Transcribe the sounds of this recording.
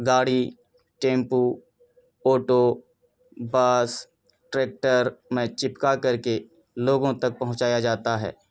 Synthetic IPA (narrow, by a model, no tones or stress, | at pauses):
ɡaːɽi | ʈẽːmpu | oːʈo | baːs | ʈɾeːk̚ʈəɾmẽt͡ʃɪpkakɐɾke | loːɡõt̪ɐk̚pɐɦʊ̃t͡ʃaːjad͡ʒaːt̪aɦɛ̰ː